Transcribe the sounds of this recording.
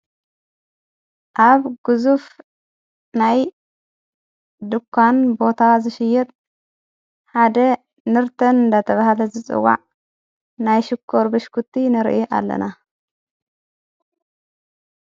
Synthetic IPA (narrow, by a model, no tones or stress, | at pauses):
ʔaβɡ̥ɨzuf | naj | d̪ɨkʰːanbo̞t̪ʰazɨʃɪjːɛt̪ʼ | ħad̪ɐ | nɨɾt̪ʰɐnɨnd̪at̪ʰɐβahlɐzɨt͡sʼɨ̰wa̰ʕ | najʃɪkʰːoɾbɨʃkʰut̪ʰːinɨɾ̰ʔiʔa̰lːɐ̰na